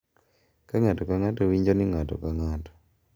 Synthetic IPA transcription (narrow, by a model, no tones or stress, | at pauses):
kaŋatɔkaŋatowiɲd͡ʒonɪŋatɔ̰kaŋatɔ̥